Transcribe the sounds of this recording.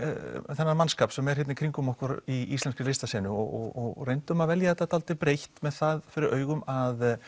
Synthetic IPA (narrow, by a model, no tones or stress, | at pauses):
θɛnːamanskaːpsɛmɛɾ̥hɛt̪nɪkʰɾiŋkʏmɔhkʏɾiisɛnskɪlejst̪asɛːnʏɔɣɔɣɔɣrejnt̪ʏmaðvɛljaɛt̪ːat̪ʰalt̪ɪpɾejhtt̪mɛðθaðfɪɾɪɾœːɥɣʏmað